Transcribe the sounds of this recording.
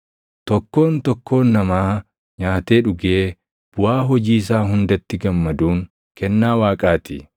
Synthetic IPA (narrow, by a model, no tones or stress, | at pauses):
t̪ɔkːo̞ːnt̪ɔkʰːo̞ːnːɐmaː | ɲaːt̪e̞ːᶑʊɡeː | b̥ʊaːɦɔd͡ʒiːs̬aːɦʊnd̪ɐt̪ːɪɡɐmːɐd̪uːŋ | kɛnːaːwaːkʼaːt̪ɪ